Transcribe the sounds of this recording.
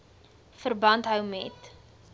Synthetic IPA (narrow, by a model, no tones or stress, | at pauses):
fərbɐntɦœwmɛt